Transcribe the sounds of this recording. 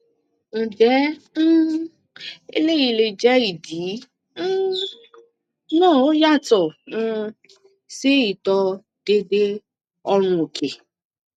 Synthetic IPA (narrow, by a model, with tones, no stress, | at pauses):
n̩˨d͡ʒɛ˨˦n̩˦ | ḛ˦le˦ji˨le˨d͡ʒɛ˦i˨di˨˦ | noː˦˨o˦ja˦tɔ˨˦ | se˦i˨tɔ˧ | d̥e˦de˦ | ɔ˦ɾʊ̃˧o˨ke˨